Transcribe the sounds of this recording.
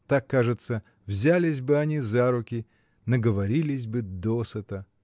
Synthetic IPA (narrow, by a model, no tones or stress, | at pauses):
t̪akːaʐɨt̪sə | vzʲalʲɪsʲbɨɐnʲizaɾʊkʲɪ | nəɡəvɐɾʲilʲɪsʲbɨd̪osət̪ə